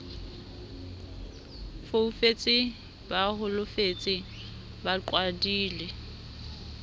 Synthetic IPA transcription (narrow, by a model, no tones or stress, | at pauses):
foufet͡sʼɪ | bahʊlʊfet͡sʼɪ | baǃwadiːlɛ